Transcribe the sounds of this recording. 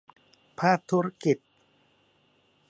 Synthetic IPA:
pʰaː˥˩k̚t̪ʰːu˦˥ɾa˥ki˨˩t̪̚

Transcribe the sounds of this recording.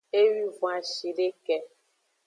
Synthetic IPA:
e˦ɥi˦vɔ̃˨a˨ʃi˨ɖe˦kɛ˦

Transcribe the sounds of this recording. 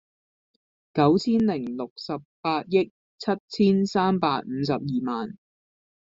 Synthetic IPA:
kɐ˨˥wt͡sʰiː˥nlɪ˨˩ŋlʊ˨k̚sɐ˨p̚pːaː˧t̚jɪ˥k̚ | t͡sʰɐ˥t̚t͡sʰiː˥nsaː˥mpaː˧t̚m̩ː˨˧sɐ˨p̚jiː˨maː˨n

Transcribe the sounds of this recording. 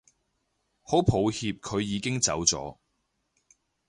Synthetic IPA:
ho˨˥wpʰo˨˧whiː˧p̚kʰɵ˨˧ɥjiː˨˧kɪ˥ŋt͡sɐ̰˨˥wt͡sɔ̰ː˨˥

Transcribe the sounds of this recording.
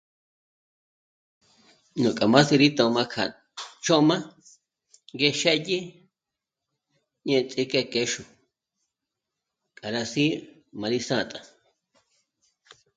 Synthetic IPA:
nũ˨kʼa˨mã˦si˧ɾi˦t̪õ˧˨˧mã˧kʰa̰˨ | t͡ʃõ˦ʔmã˦ | ɡe˧ʃe˦ʔji˦ | ɲẽ˧˨t͡sʼi˧˦ke˧˨ke˧ʃu˨ | kʼa˨ɾa˧si˦ | mã˧ɾi˦˧sã˦˧˨t̪ʼa˨

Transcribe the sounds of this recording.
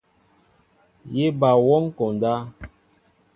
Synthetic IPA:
je˦ba˨wɔ˦ŋ˦kɔ˨n˨da˦

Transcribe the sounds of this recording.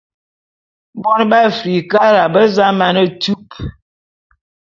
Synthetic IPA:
bɔ˦n˦ba˦˨fɾi˨ka˦ɾa˨bə˦za˦ma˦nə˦tu˦p̚

